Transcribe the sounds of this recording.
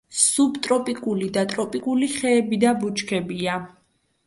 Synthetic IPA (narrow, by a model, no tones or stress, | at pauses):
subt̪ʼɾɔpʼikʼulid̪at̪ʼɾɔpʼikʼuliχɛːbid̪abut͡ʃʰkʰɛbia